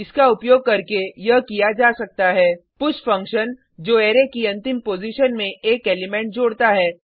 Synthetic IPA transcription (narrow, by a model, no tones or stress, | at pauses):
ɪskaʊpjoːɡ̚kɐɾkejɐɦkijad͡ʒaːsɐk̚t̪aɦɛːpʊʃfɐ̃ŋkʃən | d͡ʒoːeːɾekiɐ̃nt̪ɪmpoːziʃənmẽeːkeːlɪmɛ̃ːɳʈ̚d͡ʒoːɽt̪aɦɛː